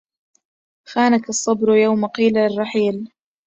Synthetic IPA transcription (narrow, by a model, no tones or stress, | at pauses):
xaːnakɑsˤːɑbɾjawmaqiːlaɪrˤːɑħiːl